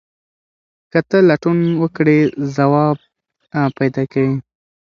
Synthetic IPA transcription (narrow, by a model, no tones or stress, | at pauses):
kət̪əlaʈunwəkɽezawɑb̚ | pajd̪ɑkawi